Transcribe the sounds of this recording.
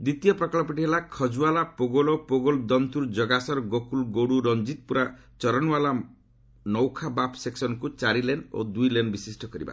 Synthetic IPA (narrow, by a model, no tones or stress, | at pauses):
d̪it̪ijɔpɾɔkɭɔpiʈiɦelakʰɔd͡ʒualapoɡɔlɔpoɡɔld̪ɔnt̪uɾd͡ʒɔɡasɔɾɡokulɡoɽuɾɔnd͡ʒit̪̚puɾa | t͡ʃɔɾɔnwala | nɔwkʰabapseksɔnɔkut͡ʃaɾileno̰d̪ujlenbisisʈʰɔkɔɾiba̰